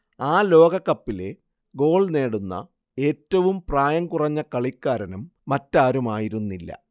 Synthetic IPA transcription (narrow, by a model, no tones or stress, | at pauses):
aːlo̞ːɡɐkːɐpːile̞ | ɡo̞ːɭne̞ːɽunːɐ̰ | e̞ːtːɐʋumpraːjɐŋkurɐɲːɐkɐɭikːaːɾɐnɐmːɐtːaːɾumaːjiɾunːilːɐ̰